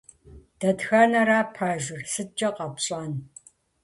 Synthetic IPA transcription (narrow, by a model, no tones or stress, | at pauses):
d̥ɐdxɐnɐɾaːpʰaːʒɪrsɨt͡ʃʼɐqɐpɕʼaːn